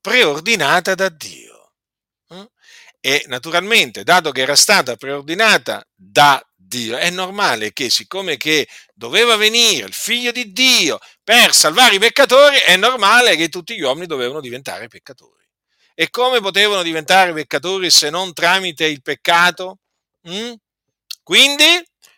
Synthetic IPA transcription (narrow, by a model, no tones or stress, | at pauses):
pɾeord̪inaːt̪ad̪ad̪ːḭːo̰ | enat̪uɾalment̪ed̪aːt̪okeɛːɾast̪aːt̪apɾeord̪inaːt̪a̰ | d̪a | d̪iːoɛnːormaːlekesːikːoːmeked̪oveːvaveniːɾḛilfiʎːod̪id̪ːiːo | persalvaːɾeipekːat̪oːɾiʔɛnːormaːleket̪ːut̪ːiʎːwɔminid̪oveːvanod̪ivent̪a̰ːɾepekːat̪o̰ːɾḭ | ekːoːmep̬ot̪eːvanod̪ivent̪aːɾepekːat̪oːɾisenːont̪ɾaːmit̪eilpekːaːt̪o | mm̩ | kwind̪i